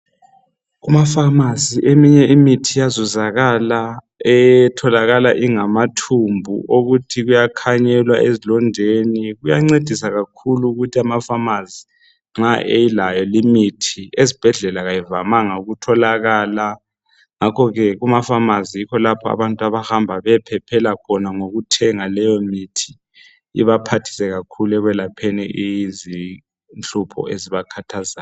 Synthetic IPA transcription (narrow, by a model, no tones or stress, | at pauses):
umafamaziʔemiɲɛimitʰijazuzaɣala | ɛjtʰɔlaɣalaʔiŋamatʰumbʱṵʔoɣutʰiɣujakʰaɲɛlwa̰ʔezilɔndʱeniɣujaŋ͡ǀed̥ʱisaɣakʰuluːɣutʰiamafamazi | ŋ͡ǁaʔejilajɔlimitʰiezib̥ʱɛɮɛlaɣajivamaŋauɣutʰɔlaɣaːla | ŋakʰɔɣɛɣumafamazijikʰɔlapʰɔa̰βantʼuaβahambʱaβɛpʰɛpʰɛlakʰɔnaŋoɣutʰɛŋalɛjɔmitʰi̥ | ḭβapʰatʰi̥sɛɣakʰulɛɣwɛlapʰɛnɛʔijizi | nt͡ɬʼupʰɔ̰ʔeziβakʰatʰazaː